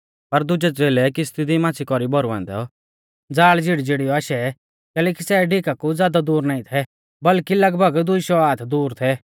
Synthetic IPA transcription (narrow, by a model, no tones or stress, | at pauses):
pɐɾd̪ʊd͡ʒɛt͡seːlɛkɪst̪id̪imaːt͡sʰikɔɾibʱɔɾuã̰ːnd̪ɔ̰ | d͡zaːɭd͡ʒʱɪɽd͡ʒɪɽijɔaːʃɛ | kɛːlɛːkisɛɖʱɪkakuzjaːd̪ad̪uːɾnaːĩt̪ʰɛ | bɐlkilɐɡbʱɐɡd̪ʊiʃɔaːt̪ʰd̪uːɾt̪ʰɛ